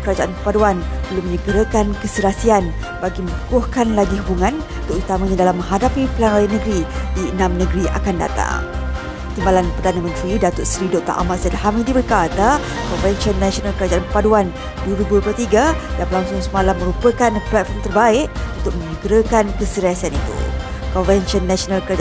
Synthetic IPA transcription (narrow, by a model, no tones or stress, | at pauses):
kəɾad͡ʒaʔankəpaduanb̥əlʊmə̃ɲəɡəɾakankəsəɾasian | baɡimə̃nukʊhkanlaɡiɦubuŋãn | t̪ʊʔut̪amãɲadalamːə̃ŋɦadapipəlanɾajanːəɡɾidiənãmnəɡɾia̰kanda̰t̪a̰ŋ | t̪imbalanpərdanamə̃nt̪ɾidat̪ʊtsɾidoʔt̪a̰ʔa̰mat̪sadaɦamidibərkat̪a | kɔnvɛnsɔnːasionalkəɾad͡ʒaanpəpaduan | duwəɾibuduop̬lət̪iɡadamlaŋsʊŋsəmalamːə̃ɾupəkanplɛt̪̚fɔrmt̪ərbaɪʔunt̪ʊk̚mə̃ɲəɡɾəkankəsiɾasianit̪ṵ | kɔnvɛnʃɔnːasionalkəɾad͡ʒ